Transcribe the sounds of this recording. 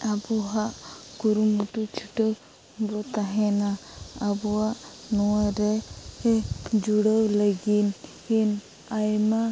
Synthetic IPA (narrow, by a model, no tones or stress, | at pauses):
abuɦaʔkuɾumuʈut͡ʃʰuʈəw | bɔt̪aɦɛnaabɔaʔnɔwaɾɛ | d͡ʒuɽəwləɡin | hin | ajma